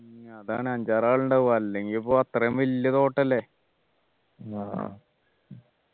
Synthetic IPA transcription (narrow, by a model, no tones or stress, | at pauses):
ŋɐðaːɳeɐɲd͡ʑaːɾaːɭuɳɖɐʋaɐlːeŋɡilpoːɐt̪rɐmʋɐlːɐt̪o̞ːʈːɐlːe | a